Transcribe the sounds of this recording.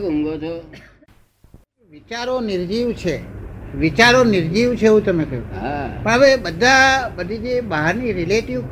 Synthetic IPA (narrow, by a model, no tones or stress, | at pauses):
kuŋɡot͡ʃʰo | eʋit͡ʃaɾoniɾd͡ʒiʋt͡ʃʰeʋit͡ʃaɾoniɾd͡ʒiʋt͡ʃʰeeɦũt̪əmekəɦũɦapəɳɦəʋebəd̪ʱabəd̪ʱid͡ʒebaɦaɾniɾileʈiʋk